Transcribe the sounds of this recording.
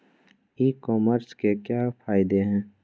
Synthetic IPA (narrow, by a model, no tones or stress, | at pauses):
iːkɔːməɾskekjaːpʰaːɪd̪eɦɛ̃ː